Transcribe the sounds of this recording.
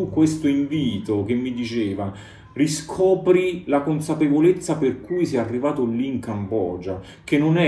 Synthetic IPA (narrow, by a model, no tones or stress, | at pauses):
ukːwest̪oiɱviːt̪ok̟emːid̪it͡ʃeːva | riskʰɔːpɾilakonsapevolet̪sːaperkujsɛarːivaːt̪olːiːŋkambɔ̰ːd͡ʒa | k̟enːonɛ